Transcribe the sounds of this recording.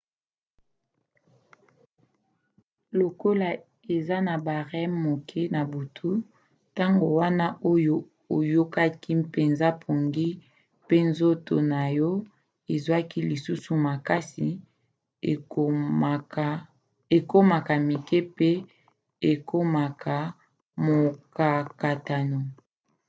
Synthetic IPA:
lo˨ko˦la˨ | e˨za˦na˨ba˨ʁɛ˦mo˨kʰe˦na˨bu˨tʰu˦ | ta˦ŋɡo˨wa˦na˦ʔo˦jo˨ | o˨jo˦ka˦ki˦pe˨nza˦pʰo˨ŋɡi˦ | pe˦nzo˦to˨na˨jɔ˦ | e˨zwa˦ki˦li˨su˦su˨ma˨ka˦si˨ | a˨ | e˨ko˦ma˨ka˨mi˨ke˦pe˦ | e˨ko˦ma˨kʰa˨ | mo˨ka˨ka˨ta˨no˨

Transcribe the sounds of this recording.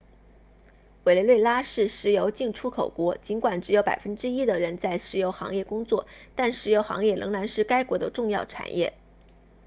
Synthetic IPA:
we˨˩le˧˥ɪwe˥˩ɪla˥ʂɻ̩˥˩ʂɻ̩˧˥jo˧˥ʊt͡ɕi˥˩ŋʈ͡ʂʰu˥kʰo˨˩ʊkwɔ˧˥t͡ɕi˧˥nkwa˨˩nʈ͡ʂɻ̩˧˥jo˧˥ʊpa̰˨˩ɪfə˥nʈ͡ʂɻ̩˥i˥d̪ə˨ɻə˧˥nt͡sa˥˩ɪʂɻ̩˧˥jo˧˥ʊxɑ̰˧˥ŋjɛ˥˩kʊ˥ŋt͡swɔ̰˥˩t̪a˥˩nʂɻ̩˧˥jo˧˥ʊxɑ̰˧˥ŋjɛ˥˩lɤ˧˥ŋla˧˥nʂɻ̩˥˩ka˥ɪkwɔ˧˥d̪ə˧ʈ͡ʂʊ˥˧ŋjɑ˥˩ʊʈ͡ʂʰa̰˨˩njʔɛ̰˥˩

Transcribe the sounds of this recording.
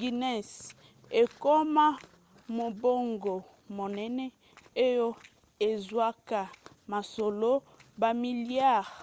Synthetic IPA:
ɡi˨nɛ˦˨s | e˨ko˦ma˦ | mo˨bo˦ŋɡo˨ | mo˨nɛ˦nɛ˦ | o˦jo˦ | e˨zwa˦ka˨ | ma˨so˨lo˦ | ba˨mi˨lja˦˨ʁ

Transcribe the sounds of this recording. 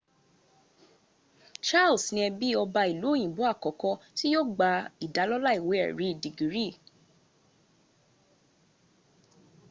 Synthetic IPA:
t͡ʃa˦˨lsnĩ˧ɛ˧bi˦ɔ˧ba˧i˨lo˨˦˨j̃ĩ˨bo˨˦a˦˨kɔ˨kɔ˧ti˦jo˦ɡ͡ba˧i˨da˨˦lɔ˦la˦i˨we˨˦ɛ̰˨ɾi˨˦˨di˨ɡi˨ɾi˦˨

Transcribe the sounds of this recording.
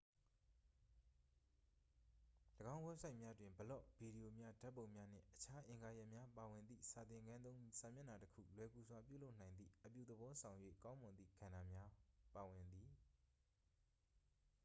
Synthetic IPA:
ləɡã˦ʊ̃ɡwɛ˦sʰa˦ɪʔmja˦dwɪ̃˨mbəlo̰˦˨bi˨ɾi˨jo˨mja˦da˦ʔpːõ˨ʊ̃mja˦n̥ɪ̰̃˦˨ʔət͡ɕʰa˦ʔɪ̃˨ŋɡa˨jɛ˦ʔmja˦pa˨wɪ̃˨nd̪ḭ˦˨sa˨t̪ɪ̃˨ŋɡã˦nt̪õ˦ʊ̃sã˨mjɛ̃˦˨na˨təkʰṵ˦˨lwɛ˨ɡu˨swa˨p̬jṵ˦˨lo˦ʊʔnã˨ɪ̃nd̪ðḭ˦˨ʔəpjṵ˦˨d̪əbɔ˦sʰã˨ʊ̃jwḛ˦˨kã˦ʊ̃mʊ̃˨nd̪ðḭ˦˨ɡ̥ã˨na˨mja˦pa˨wɪ̃˨nd̪i˨

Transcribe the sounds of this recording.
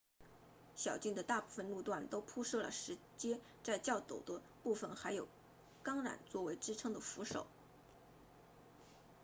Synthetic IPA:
ɕjɑ˨˩ʊt͡ɕi˥˩ŋd̪ə˩t̪a˥˧pu˥˩fə˩nlu˥˧t̪wa˥˩nt̪o˥ʊpʰu˥ʂɤ˥˩lə̰˩ʂɻ̩˧˥ | t͡ɕjɛ˥ | t͡sa˥˧ɪt͡ɕjɑ˥˩ʊt͡s̪o˨˩ʊd̪ə˦ | pu˥˩fə˨˩nxa˧˥ɪjo˨˩ʊ | kɑ˥ŋɻa̰˨˩nt͡swɔ˥˩we˧˥ɪʈ͡ʂɻ̩˥ʈ͡ʂʰɤ˥ŋd̪ə˨fu˧˥ʂo̰˨˩˦ʊ

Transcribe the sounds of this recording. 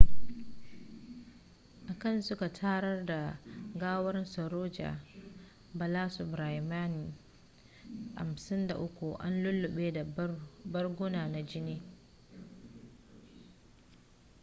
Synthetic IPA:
ʔa˨kɐ˦˨nsʊ˦ka˨tʰaː˦ɽɐ˦rda˨ɡaː˦wɐ˦rsɐ˨ɾoː˦d͡ʒa̰ː˨ | bɐ˨laː˦su˨bɾa˨jmaː˦ni˨ | ha̰˨msɪ˦nda̰˨ʔʊ˦kʷu˨ʔa̰˦nlʊ˦lːʊ˨ɓeː˦da˨bɐ˦rɡʷʊ˦naː˨na˨d͡ʒɪ˦niː˦

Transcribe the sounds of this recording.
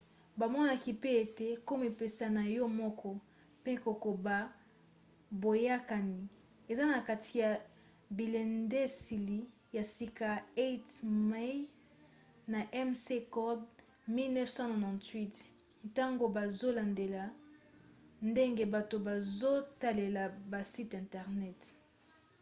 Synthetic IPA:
ba˨mɔ˦na˦ki˦pe˦e˨te˦ko˦mi˨pe˨sa˨na˨jɔ˦mɔ˦kʰɔ˦ | pe˦ko˨ko˨ba˨ | bo˨ja˦ka˨ni˨ | e˨za˦na˨ka˨tʰi˨ja˨ | bi˨lɛ˨nde˦si˨li˨ | ja˨si˦ka˨e˦tma˦j | na˨ʔɛ˦mse˦kɔ˦d | mi˦lnɛ˦fsã˦nɔ˨nã˨ntwi˦t | ta˦ŋɡo˨ba˨zo˦la˨nde˨la˨ | nde˦ŋɡe˦ba˨to˨ba˨zo˦ta˦le˨la˨ba˨si˦tɛ̃˨ntɛ˨ʁnɛ˦t

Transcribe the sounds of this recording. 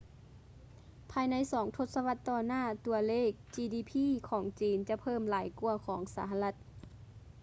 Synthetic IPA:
pʰaː˧jna˧˥˨jsɔː˩˦ŋt̪ʰo˧t̪̚sa˧ʋa˧˥t̪ːɔː˧naː˥˩t̪u˧ɐleː˥˩k̚t͡ɕiː˧diː˧˩pʰiː˧˥˨kʰɔː˩˦ŋt͡ɕiː˨˧nt͡ɕa˧˦pʰɤː˧˥˩mlaː˨˩˦jku˧ɐkʰɔː˩˦ŋsaː˩˦ɦa˧la˧t̪̚

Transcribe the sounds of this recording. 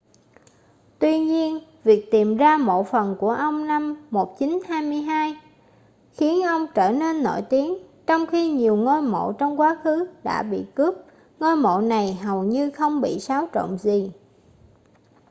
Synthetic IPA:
t̪wi˧ɲi˧ənvi˨˩ək̚t̪i˨˩mzaː˧mo̰˧˨fə˨˩nku˧˩əʔə˧wŋ͡mna˧mːo˨˩t̚t͡ɕi˨˦nhaː˧jmɨ˧əjɦaː˧j | xi˨˦ənʔə˧wŋ͡mt͡ɕəː˧˩ne˧nːo̰˧˩˨jt̪i˨˦ənt͡ɕɔ˧wŋ͡mxi˧ɲi˨˩əwŋo˧jmo̰˧˨t͡ɕɔ˧wŋ͡mkwaː˨˦xɨ˨˦ɗa̰ː˧˥ɓḭ˧˨kɨ˦˥p̚ | ŋo˧jmo̰˧˨na˨˩jɦə˨˩wɲɨ˧xə˧wŋ͡mɓḭ˧˨saː˨˦wt͡ɕo̰˧˨ŋ͡mzi˨˩

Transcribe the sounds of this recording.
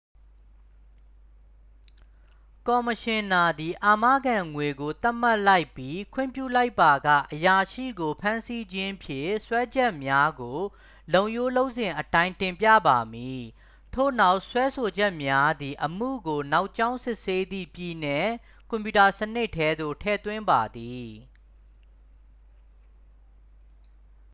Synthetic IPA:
kɔ˨məʃɪ̃˨na˨d̪i˨ʔa˨ma̰˦˨ɡã˨ŋwe˨ɡo˨t̪a˦m̥a˦ʔla˦ɪpːji˦kʰwɪ̰̃˦˨mpjṵ˦˨la˦ɪpːa˨ɡa̰˦˨ʔəja˨ʃḭ˦˨ɡo˨pʰã˦nsi˦d͡ʑɪ̃˦pʰjɪ̰̃˦˨swɛ˦d͡ʑɛ˦˨ʔmja˦ɡo˨ | lõ˨ʊ̃jo˦lo˦ʊʔsɪ̃˨ʔətã˦ɪ̃tɪ̃˨mpjä̰˦˨ba˨mi˨ | tʰo̰˦˨na˦ʊʔswɛ˦so˨d͡ʑɛ˦ʔmja˦d̪i˨ʔəm̥ṵ˦˨ɡo˨na˦ʊʔt͡ɕã˦ʊ̃sɪ˦ʔse˦d̪ḭ˦˨pji˨nɛ˨ | kɔ̃˨mpju˨ta˨sənɪ˦ʔtʰːɛ˦d̪o̰˦˨tʰɛ̰˦˨t̪wɪ̃˦mba˨d̪i˨

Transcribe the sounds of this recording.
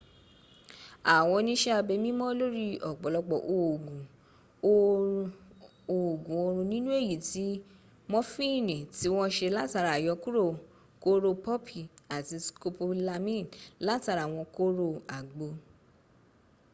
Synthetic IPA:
a˨w̃ɔ̃˧nĩ˦ʃɛ˦a˧be˧mĩ˦mɔ̃˦lo˦ɾi˦ɔ˨ɡ͡bɔ˨lɔ˧ɡ͡bɔ˨ʔo˨ɡũ˨ | o˦˧ | o˨ɡũ˨o˧ɾũ˧nĩ˦nũ˦e˦˨ji˨ti˨˦ | mɔ̃˦fĩ˦˨nĩ˨ti˨˦w̃ɔ̃˦ʃe˧la˦ta˧ɾa˨jɔ˧˦ku˦ɾo˦˨ | ko˦ɾo˧pɔ˦pʰi˨a˨ti˧sko˧po˧la˧mĩ˦˨nla˦ta˧ɾa˨w̃ɔ̃˧ko˦ɾo˧a˨ɡ͡bo˧˦

